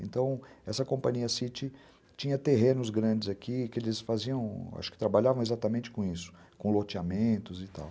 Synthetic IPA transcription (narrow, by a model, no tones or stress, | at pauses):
ḛ̃nt̪ɐ̃w̃ɛsɐkõmpɐ̃ɲiɐsit͡ʃɪ | t͡ʃĩɲɐt̪eɦẽnʊzɡɾɐ̃d͡ʒɪzakikɪelɪsfaziɐ̃w̃a̰ʃʊ̥kɪ̥t̪ɾabaʎavɐ̃ezat̪amẽnt͡ʃɪ̥kõisʊ̥ | kõlot͡ʃɪamẽnt̪ʊzɪt̪a̰w